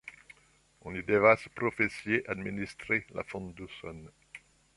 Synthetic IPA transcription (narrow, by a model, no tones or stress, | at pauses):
ɔ̃lid̪evaspχɔfesjeʔad̪minist̪χela̰fɔ̃t̪d̪usɔ̰n